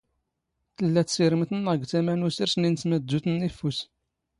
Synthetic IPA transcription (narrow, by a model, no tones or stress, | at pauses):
θəlːæt̪siɾəmt̪ənːəɡt͡s̪æmænusəɾsnint͡sməd̪ːuθnːifus